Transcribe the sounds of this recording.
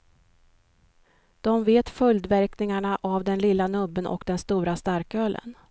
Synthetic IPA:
d̪̥ɔmveːt̪fɵld̪væɾknɪŋaɳaʔavd̪ɛnlɪlːanɵbːənʔɔ̰kd̪ɛnst̪uːɾast̪aɾkøːlə̰n

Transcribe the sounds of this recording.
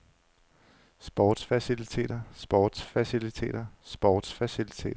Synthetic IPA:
sb̥ɒːd̥sfæsilit͡sʰe̝̰ːd̥ɐsb̥ɒːd̥sfæsilit͡sʰe̝̰ːd̥ɐsb̥ɒːd̥sfæsilit͡sʰe̝̰ːd̥ɐ

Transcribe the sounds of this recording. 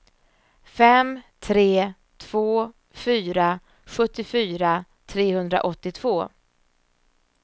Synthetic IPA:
fɛmt̪ʰɾeː | t̪ʰv̥oː | fyːɾa | ɧɵt̪ːɪfyːɾa | t̪ʰɾeːhɵnd̪ɾa̰ʔɔt̪ːɪt̪ʰv̥oː

